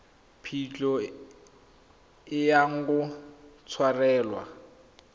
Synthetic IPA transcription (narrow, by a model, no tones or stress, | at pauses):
pʰit͡ɬʼɔ | ɪjaŋ̩kʊt͡sʰwarɛːlwa̰